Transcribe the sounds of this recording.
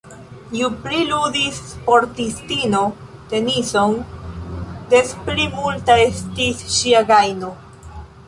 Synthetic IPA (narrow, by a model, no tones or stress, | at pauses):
jupliludispo̞ɾtistinote̞niso̞n | de̞splimultae̞stisʃiaɡajno̞